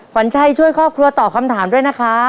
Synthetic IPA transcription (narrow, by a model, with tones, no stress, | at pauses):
kʰa˩˦nt͡ɕʰa˧˥˩jt͡ɕʰu˥˩əjkʰɔː˥˩p̚kʰɾu˧ɐt̪ɔː˨˩kʰa˧mt̪ʰaː˩˦mdu˥˩əjna˦˥kʰa˦˥